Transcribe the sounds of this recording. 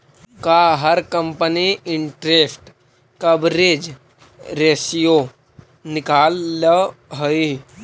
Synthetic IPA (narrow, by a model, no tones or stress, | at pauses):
kaɦəɾkəmpəniiɳʈɾefʈ | kəbɾed͡ʒ | ɾesijo | nikalːəɦəi